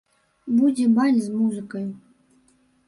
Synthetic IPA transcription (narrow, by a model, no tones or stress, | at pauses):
budʲebalʲzmuzɨkɤj